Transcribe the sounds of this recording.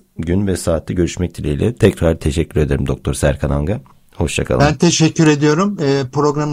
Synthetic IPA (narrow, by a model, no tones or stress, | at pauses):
ɟynvɛsaːt̪ʰːɛɟø̞ɾyʃmɛc̚t̪ʰiɾeilʲɛt̪ʰɛcɾaɾt̪ʰeʃɛcʰːyɾe̞d̪eɾimd̪o̞k̚t̪ʰo̞ɾsæɾkʰanaŋɡa | ho̞ʃt͡ʃakʰa̰lˠbænt̪ʰeʃɛcːyɾe̞d̪ijo̞ɾumɯːpɾo̞ɡɾam